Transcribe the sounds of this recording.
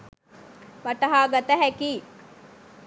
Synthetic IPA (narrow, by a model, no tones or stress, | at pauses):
ʋaʈɐɦaːɡat̪əɦækiː